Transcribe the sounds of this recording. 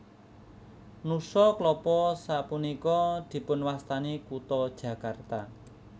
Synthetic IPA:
nusɔklɔpɔsapunikɔd̪̥i̤pʊnwast̪anikut̪ɔd̥ʒ̥ä̤kart̪a

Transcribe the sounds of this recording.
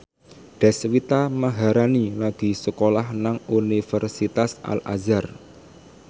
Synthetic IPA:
ɖ̥ɛ̤swit̪aməɦaɾanilaɡ̥i̤səkolahnaŋunifərsit̪asa̰la̰zar

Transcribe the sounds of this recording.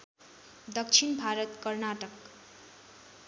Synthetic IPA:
d̪ʌk̚t͡sʰinbʱaɾʌt̪kʌrnaʈʌk

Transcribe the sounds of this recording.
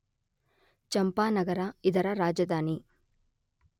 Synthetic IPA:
t͡ʃɐmpaːnɐɡɐɾaid̪ɐɾɐɾaːd͡ʒɐd̪ʱaːni

